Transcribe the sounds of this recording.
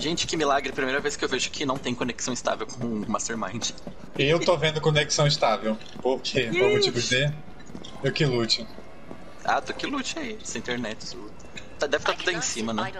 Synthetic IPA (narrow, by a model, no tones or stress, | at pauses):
ʒẽnt͡ʃɪ̥kɪmɪlaɡɾɪpɾimejɾɐveskɪewveʒʊkʰɪnɐ̃w̃t̪ẽj̃koneksɐ̃w̃st̪a̰vewkõmast̪eɾmã̰j̃d͡ʒɪ | ɪewt̪ovẽnd̪ʊkõneksɐ̃w̃ist̪avew | poɾkʰeõʊt͡ʃivʊze | ewkɪlut͡ʃɪ | a̰t̪okɪlut͡ʃɪaisẽĩnt̪eɾnɛt͡ʃɪ̥su | t̪ad̪ɛvɪt̪at̪ud̪ɐẽj̃sĩmɐnɛ̃